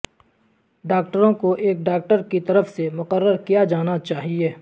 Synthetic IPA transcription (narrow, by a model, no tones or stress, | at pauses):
ɖaːk̚ʈəɾõkoʔeːkɖaːk̚ʈəɾkit̪ɐɾəfsemʊqəɾːəɾkijad͡ʒaːnat͡ʃaːɦieː